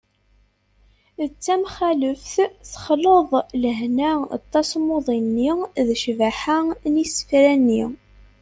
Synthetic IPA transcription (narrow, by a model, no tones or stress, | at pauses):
t͡sːæmχæləfθθə̥χloðˤləɦnæɑ̰t̪ˤːɑsmoðˤinːiðʃvæħanisə̥fɾænːi